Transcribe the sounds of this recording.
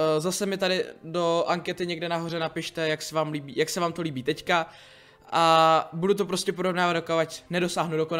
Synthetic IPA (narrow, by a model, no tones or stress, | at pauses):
zasɛmɪt̪adɪdo̞ʔaŋkɛt̪ɪɲɛɡdɛnaɦo̞rɛnapɪʃt̪ɛjaksɛvaːmliːbḭːjaksɛvaːmt̪o̞liːbiːt̪ɛcka | ʔabudut̪̬o̞pɾo̞scɛp̬oɾovnaːvat̪djokoacnɛdo̞saːɦnudokona